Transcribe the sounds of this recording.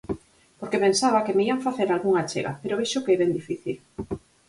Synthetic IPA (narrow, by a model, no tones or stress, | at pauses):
poɾkepensaβakemeiaɱfaθeɾalɣuŋat͡ʃḛɣa̰peɾoβeʃokɛβend̪ifiθil